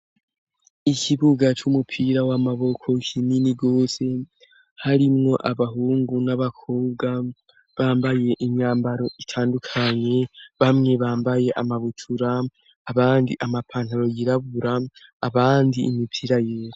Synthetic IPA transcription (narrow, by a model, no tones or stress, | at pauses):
ikʰiβuɡat͡ʃumupʰiɾawamaβo̞kʰo̞kʰiminiɡo̞ːse̞ | haɾimŋo̞ʔaβaɦuːŋɡunaβakʰo̞ːbɡa | βaːmbaje̞ʔiɲɲaːmbaɾo̞ʔitʰaːndukʰaɲe̞βamŋe̞βaːmbaje̞ʔamaβutʰuɾaː | βaːndiʔamapʰaːn̥haɾo̞jiɾaβuɾaːβaːndiʔːmipʰiːɾajeːɾo